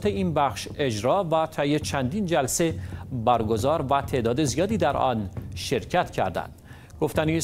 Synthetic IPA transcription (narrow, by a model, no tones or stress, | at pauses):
t̪eiːnbæχʃe̞d͡ʒɾɒːvæt̪ʰæjet͡ʃʰænd̪iːnd͡ʒælse̞bæɾɡo̞zɒːɾvæt̪ʰe̞ʔd̪ɒːd̪e̞zijɒːd̪iːd̪æɾʔɒ̰ːnʃe̞ɾcʰæt̪cʰæ̰ɾd̪æ̰nd̪̥ | ɡ̥o̞ft̪æniː